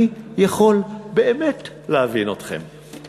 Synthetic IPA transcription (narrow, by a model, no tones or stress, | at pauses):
jaχo̞lbe̞emet | lehavino̞tχe̞̰m